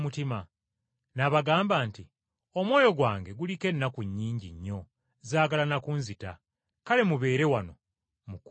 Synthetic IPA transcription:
mutima | naβaɡaːmbaːnti | o̞mwo̞ːjo̞ɡwaːŋɡe̞ɡulike̞nːakuɲːiːɲɟḭɲːo̞ | zaːɡalanakunzita̰ | kale̞muβe̞ːɾe̞wano̞ | muk

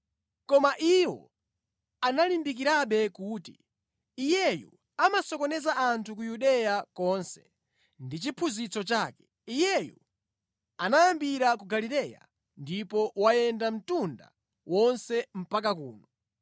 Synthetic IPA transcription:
kɔmaʔiwɔ̰ | analimbik̬iɾaɓɛkuːtiː | jɛjṵ | amasɔkɔnɛzaʔantʰukujuɗɛjakɔnsɛ̥ | ndit͡ʃipʰuzit͡sɔt͡ʃaːkɛ̥ | ijɛjṵ | anajambiɾakuɡalilɛja̰ | ndipɔwajɛndam̩tunda̰ | wɔnsɛm̩pak̬akṵːnɔ

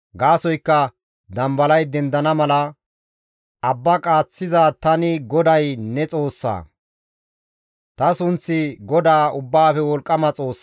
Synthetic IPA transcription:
ɡaːsɔjkːɐ | d̪ɐmbɐlɐjd̪ɛnd̪ɐnɐmɐlɐ | ɐbːɐkʼaːt͡sːɪzat̪ɐnɪɡɔd̪ɐjnɛt͡sʼo̞ːsːa̰ː | t̪ɐsʊnt͡sːɪɡɔd̪aːʊbːaːfɛwɔlkʼːɐmɐt͡sʼo̞ːsː

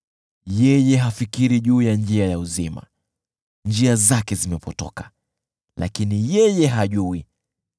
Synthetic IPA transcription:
jɛjɛɦafikiɾiʄuːjand͡ʒiajauzima̰ | nd͡ʒiazakɛzimɛpɔtɔ̰kḁ | lʔa̰kinijɛjɛɦaʄui

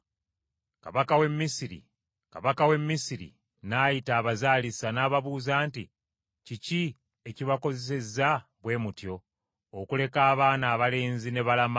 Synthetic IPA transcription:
ka̰βakawe̞mːisiɾḭ | ka̰βakawe̞mːisiɾḭ | naːjitaːβazaːlisanaːβaβuːzaːnti | cici | e̞ciβako̞zes̬e̞zːaβwe̞ːmutjo̞ː | kule̞kaːβaːnaːβale̞ːnzine̞βalama

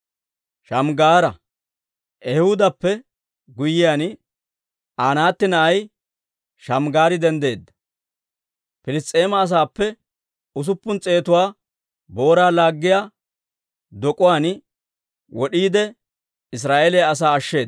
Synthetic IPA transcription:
ʃɐmɡaːɾɐ | ʔɛhʊd̪ɐpːɛ | ɡʊjːɪjaːn | ʔaːnaːt̪ːɪnɐɐj | ʃɐmɡaːɾɪd̪ɛnd̪e̞ːd̪ːɐ | pɪlɪst̪ʼe̞ːmɐːs̬aːpːɛ | ʊs̬ʊpːʊnt͡sʼe̞ːt̪ʊwaː | bo̞ːɾaːlaːɡːɪjaː | d̪ɔkʼʊwaːn | wɔɗiːd̪ɛ | ɪs̬ɾaːʔelɛɐs̬aːɐʃːe̞ːd̪

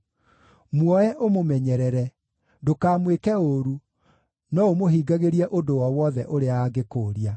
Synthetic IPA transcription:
mwɔɛʔomomɛɲɛɾɛɾɛ | dokaːmwekɛoɾu | nɔomoɦiːɡaɣeɾiɛʔodowɔwɔðɛʔoɾeaaɡekoːɾia

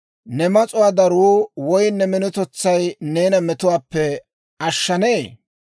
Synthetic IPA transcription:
nɛmɐt͡sʼʊwaːd̪ɐɾuːwɔjnːɛmɪnʊt̪ɔt͡sːɐjneːnɐmɛt̪ʊwaːpːɛ | ʔɐʃːɐneː

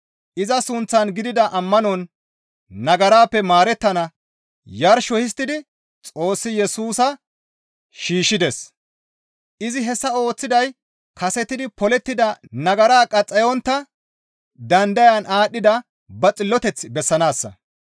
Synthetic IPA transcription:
ʔɪzɐsʊnt͡sːɐnɡɪd̪ɪd̪ɐʔɐmːɐnɔnː | ɐɡɐɾaːpːɛmaːɾɛt̪ːɐnɐ | jɐɾʃɔhɪs̬t̪ɪd̪ɪ | t͡sʼo̞ːsːɪjɛsuːsɐ | ʃiːʃːɪd̪ɛs | ʔɪzɪɦɛsːɐo̞ːt͡sːɪd̪ɐj | kʰɐsɛt̪ːɪd̪ɪpɔlɛt̪ːɪd̪ɐnɐɡɐɾaːkʼɐt͡sʼːɛjɔnt̪ːɐ | d̪ɐnd̪ɐjɐnʔaːɗːɪd̪ɐ | bɐt͡sʼɪlːɔt̪ɛt͡sːbɛsːɐnaːsːɐ̰

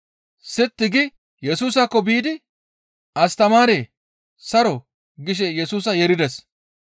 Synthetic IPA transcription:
sɪt̪ːɪɡɪ | jɛsuːsakːɔbiːd̪ɪ | ʔɐst̪ɐmaːɾeː | sɐɾɔ | ɡɪʃ̬ɛjɛsuːs̬ɐjɛɾɪd̪ɛs

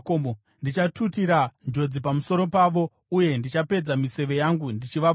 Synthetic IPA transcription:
komo | ndit͡ʃatutiɾand͡ʒo̞d͡zipamuso̞ɾo̞paʋo̞ | uje̞ndit͡ʃape̞d͡zamise̞ʋe̞jaŋɡundit͡ʃiʋa

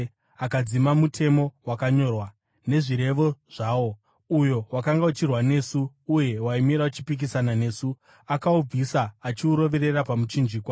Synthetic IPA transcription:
akad͡zimamutʰe̞mo̞wakaɲo̞ːrwa | ne̞ʐiɾe̞ʋo̞ʐ̥aːwo̞ | ujo̞wakaŋɡaut͡ʃirwane̞suː | je̞waimiɾaut͡ʃipik̬isanane̞ːsu | akaub͡visaːt͡ʃiuɾo̞ʋe̞ɾe̞rapamut͡ʃind͡ʒiːkwa

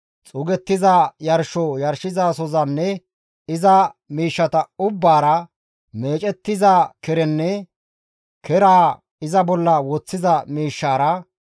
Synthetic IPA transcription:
t͡sʼʊɡɛt̪ːɪzajɐɾʃɔjɐɾʃɪzaːsɔzɐnːɛ | ɪzɐmiːʃːɐt̪ɐʊbːaːɾɐ | me̞ːt͡ʃʼɛt̪ːɪzaːkɛɾɛnːɛ | kɛɾaː | ɪzɐbɔlːɐwɔt͡sːɪzɐmiːʃːaːɾɐ

